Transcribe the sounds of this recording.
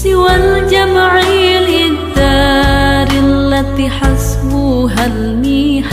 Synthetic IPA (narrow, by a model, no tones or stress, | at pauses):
sɪwald͡ʒamʕilʔɪd̪aːɾɪlːat̪iːħasbuɦal | miː